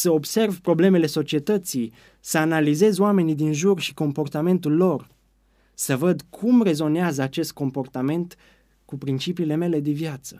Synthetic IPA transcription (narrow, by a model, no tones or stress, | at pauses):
səo̞bse̞rvpɾo̞ble̞me̞le̞so̞t͡ʃie̞t̪ət̪sij | səanalize̞zoame̞nid̪inʒurʃi̥ko̞mpo̞rt̪ame̞nt̪ulːo̞r | səvəd̪kʰumre̞zo̞neazəat͡ʃe̞st̪̚ko̞mpo̞rt̪ame̞nt̪ | kupɾint͡ʃipiːle̞me̞le̞d̪evjat̪sə